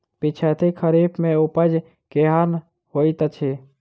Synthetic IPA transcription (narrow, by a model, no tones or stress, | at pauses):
pɪt͡ʃʰət̪ʰikʰəɾiːbmẽupəd͡ʒ | keɦaɾn | hoːit̪ət͡ʃʰe